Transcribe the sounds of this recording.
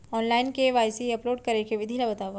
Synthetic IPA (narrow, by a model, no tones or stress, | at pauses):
ɔːnlaːɪnkeʋaːjsiɐploːɖkɐɾekeʋɪd̪ʱilabɐt̪aːʋə